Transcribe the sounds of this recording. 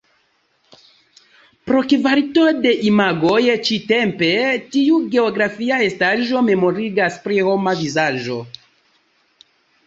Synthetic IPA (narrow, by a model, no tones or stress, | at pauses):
pɾo̞kivaɾito̞de̞ʔimaɡojt͡ʃite̞mpe̞tiuɡe̞o̞ɡɾafiae̞staʒo̞me̞mo̞ɾiɡaspɾiho̞mavizaʒo̞